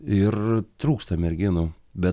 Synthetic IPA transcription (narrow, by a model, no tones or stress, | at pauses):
ɪrt̪ɾuːkst̪ɐmʲɛɾʲɡʲɪnʊ | bʲɛ